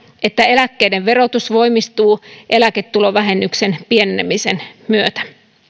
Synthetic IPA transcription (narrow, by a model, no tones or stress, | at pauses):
ʔet̪ːæelækːeideʋʋe̞rot̪usʋoimist̪uːʔe̞læket̪ːuloʋæɦenːyksenpienenemisenmyøt̪æ̥